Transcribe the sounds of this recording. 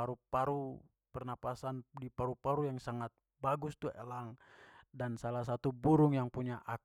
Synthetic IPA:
aɾupaɾu | pɛrnapasandipaɾupaɾujaŋsaŋat̪̚ | baɡust̪uɛ̰laŋdansalas̬at̪ubuɾʊŋjaŋpuɲaʔa

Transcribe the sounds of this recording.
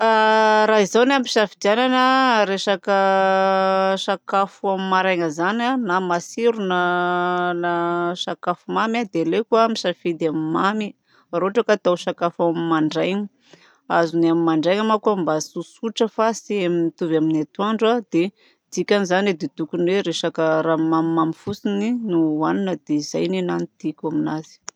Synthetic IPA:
aɾaɦizawnampiʃafid̪iananəɾeʃakə | ʃakafuamimaɾajŋəzananamasiɾuna | naʃakafumamad̪elekuamiʃafid̪amimami | roaʈ͡ʂəkat̪awʃakafamimaɳɖ͡ʐajŋə | azunamimaɳɖ͡ʐajŋamakuambasusuʈ͡ʂəfasiaminit̪uvaminat̪uaɳɖ͡ʐad̪̥e | d̪̥ikʲanizaned̪et̪ukunweɾeʃakəɾamamimamifusininuaninəd̪eizajninanit̪ikʲaminazi̥

